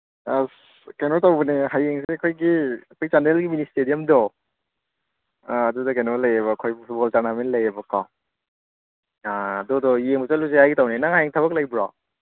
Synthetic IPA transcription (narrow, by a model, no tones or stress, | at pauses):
as | kenɔtawbɐneɦajeŋseɐkʰojɡiɐkʰojzanɾelɡiministedijɐmdɔ | dudɔkenɔlɐjebɐːkʰojbpʰutbɔltaɾnamenlɐjebɐkaw | aːdɔdɔjeŋbɐzaluzeajɡitawnenaŋɦajeŋtʰɐβɐk̚lajbɾa